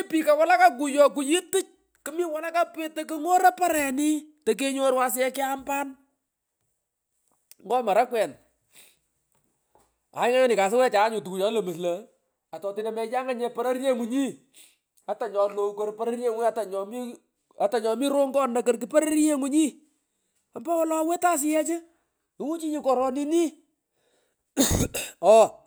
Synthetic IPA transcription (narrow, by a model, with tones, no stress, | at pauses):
i˦pi˨ka˨wa˦la˦ka˦k̬u˨jɔ˦k̬u˨jɪ˦tɪ˦t͡ʃ̚ | kɨ˦mi˦wa˨la˦ka˦pɪ˦te˨k̬ɪ˦ŋo˦ɾa˦pa˦ɾɛ˨nɪ˦tɛ˨k̬e˦ɲo˦ɾwa˦s̬ɪ˦ɛ˦kɪ˦a˦mba˦n | ŋɡɔ˦ma˨ɾa˦kwɛ˨n | a̰˨ɪ˦ŋa˦a˦nɪ˨ka˨s̬ɪ˦wɛ˦t͡ʃa˨˦ɲʊ˨tu˨ku˨jɔ˨˦lə˨mɨ˨s̬lɐ˨ | a˨tɔ˨ti˨na˨mɛ˨ja˦ŋa˦ɲɛ˦pa˦ɾa˦ɾe˦ŋu˨˦ɲi˦ | a˨˦ta˨ɲɔ˨lo˦˨kɔ˦ɾpa˦ɾa˦ɾje˦˨ŋ˦a˦ta˨ɲɔ˨mi˦ | a˨ta˨ɲɔ˨mi˦ɾo˦ŋɡɔ˦nːa˨kə˦rk̬ɪ˨pa˦ɾa˦ɾje˦ŋu˦ɲi˦ | a˨mba˦wɔ˦lɔ˨a˦we˦ta˦s̬ɪ˦jɛ˦t͡ʃɪ˦ | ɪ˦wu˦t͡ʃi˦ɲi˦kɔ˨ɾɔ˨ni˦ni˦ | ɔ˦